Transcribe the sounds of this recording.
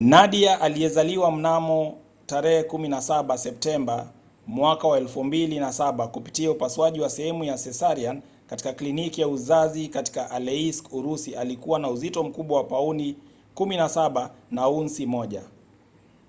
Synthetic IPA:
naɗiaʔaliɛzaliwam̩namɔ | taɾɛhɛkuminasaɓasɛp̚tɛmba | mwakawaɛlfumbilinasaɓakupi̥tiaupaswaʄiwasɛhɛmujasɛsaɾian | kati̥kaklinikijauzazikati̥kaʔalɛiskuɾusiʔalikuwanauzitɔm̩kuɓwawapauni | kuminasaɓanaunsimɔʄa

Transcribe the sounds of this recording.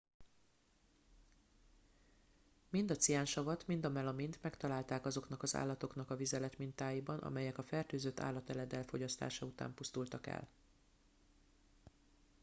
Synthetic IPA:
mind̪ɒt̪sijaːnʃɒvɒt̪mind̪ɒmɛlɒmint̪mɛkt̪ɒlaːlt̪aːkɒzo̞knɒkɒza̰ːlːɒt̪o̞knɒkɒvizɛlɛt̪mint̪aːjibɒnʔɒ̰mɛjɛkɒfɛrt̪øːzøt̪ʰːa̰ːlːɒt̪ɛlɛd̪ɛlfo̞ɟɒst̪a̰ːʃɒut̪a̰ːmpust̪ult̪ɒkɛ̰l

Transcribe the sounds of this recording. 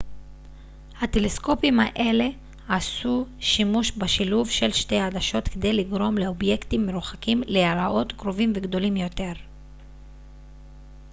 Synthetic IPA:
hat̪e̞lesko̞pimhaʔe̞le̞ | asuʃimuʃbaʃiluvʃelʃtejad̪aʃo̞t̪ked̪e̞jliɡʁo̞mle̞o̞bje̞kt̪imːe̞ɾuχakimlealaʔo̞t̪kʁo̞vimveɡd̪o̞limjo̞t̪e̞ʁ

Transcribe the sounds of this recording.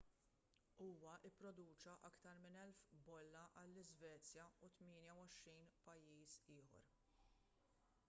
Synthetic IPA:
uːwɐʔɪpːɾɔd̪uːt͡ʃɐʔɐkt̪ɐɾmɪnɛlfbɔlːɐʔɐlːɪzvɛːt͡sjɐut̪mɪːnjɐwɔʃɾiːnpɐjːiːsɪːħɔ̰ɾ

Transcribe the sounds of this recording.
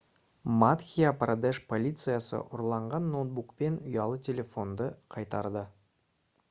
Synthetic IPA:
mat̪xʲijaprad̪eʃpʰo̞lʲijt̪sɨjasə̰ʔʊɾlˠɑɴʁɑnːot̪̚bukpe̞nʊjɑlˠət̪ʰʲe̞lʲe̞fo̞nd̪əqʰɑjt̪ɑɾd̪ə

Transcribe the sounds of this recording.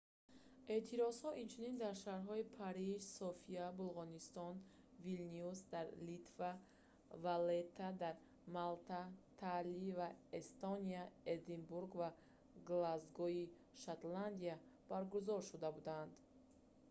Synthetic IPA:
e̞t̪ʰiɾɔzhɔʔint͡ʃʰunind̪aɾʃaɾɦɔipʰaɾid͡ʒsɔfiabulˠʁɔnist̪ɔn | vilniusd̪aɾlit̪va | valet̪ʰːad̪aɾ | malt̪at̪ʰalivaest̪ɔniaed̪imbuɾɡva | ɡlazɡɔi | ʃat̪land̪iab̥aɾɡuzɔɾʃud̪abud̪and̪

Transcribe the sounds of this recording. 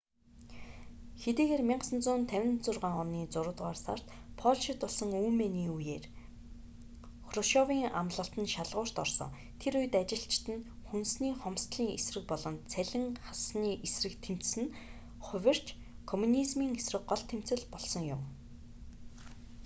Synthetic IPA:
xet̪eːɣeːrmʲiɴɢsə̆nt͡sʊːnt̪ʰæwʲɪ̆nt͡sʊrʁaːŋɔniːt͡sʊɾʊ̆ːt̪ʁaːrsa̰r̥t̪ | pʰɔɮʃɪ̆t̪ʊɮsɞ̆ŋuːmeniːujeːr | xrɔʃɔwiːŋamɮə̆ɬt̪ɘ̆nʃaɮʁʊːr̥t̪ɔ̰rsɞ̰̆ŋ | t̪ʰeɾujɘ̆t̪at͡ɕɪ̆ɬt͡ɕt̪ɘ̆nxunsniːχɔmst̪ɮiːŋesrɘ̆k̚pɔɮɞ̆nt͡sʰæɮʲɪ̆ŋχasniːʔesrɘ̆kt̪ʰem̥t͡ssɘ̆n | χʊ̟wʲɪ̆r̥t͡ɕ | kʰɔmunizmiːŋesrɘ̆kɢɔɮt̪ʰem̥t͡sɘ̆ɮpɔɮsɞ̆ŋjʊ̰m

